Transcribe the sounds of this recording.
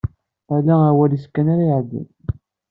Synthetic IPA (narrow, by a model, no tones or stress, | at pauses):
ælææwæliskːænaɾajʕd̪ḭn